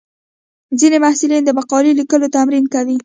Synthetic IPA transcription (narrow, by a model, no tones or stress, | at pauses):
zinemahsɪlind̪əbaqɑlilikəlot̪amɾinkawi